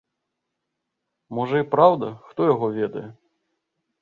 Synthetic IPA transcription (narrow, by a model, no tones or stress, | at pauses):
mɔʐɐipɾawd̪ɐxt̪ɔjaɣɔvʲɛd̪ɐ̰jɛ